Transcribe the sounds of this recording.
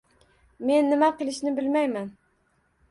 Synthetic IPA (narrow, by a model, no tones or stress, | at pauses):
me̞nːɪmaqɨlˠɪʃnɪbɪlmajman